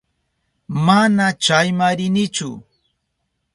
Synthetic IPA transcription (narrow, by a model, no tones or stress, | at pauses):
manat͡ʃajmaɾɪnɪt͡ʃʊ̰